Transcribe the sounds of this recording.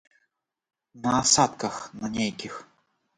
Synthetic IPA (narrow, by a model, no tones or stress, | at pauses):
nɐːsat̪kɐxnɐnʲejkʲix